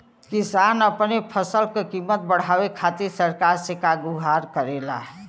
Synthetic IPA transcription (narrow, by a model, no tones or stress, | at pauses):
kɪsanəpnepʰəsəlkekimːət̪̚bəɽ̤aːwekʰaːt̪ɪɾsəɾkaːɾsekaɡuɦaɾkəɾeːla̰ɦɛ